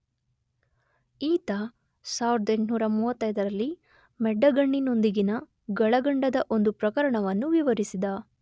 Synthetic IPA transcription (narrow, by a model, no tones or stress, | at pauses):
iːt̪ɐ | saːʋiɾɐd̪ɐeɳʈnuːɾɐmuːʋɐt̪ːɐjd̪ɐɾɐlːi | mɛɖːɐɡɐɳːino̞nd̪iɡinɐ | ɡɐɭɐɡɐɳɖɐd̪ɐʔo̞nd̪upɾɐkɐɾɐɳɐʋɐnːuʋiʋɐɾisid̪ɐ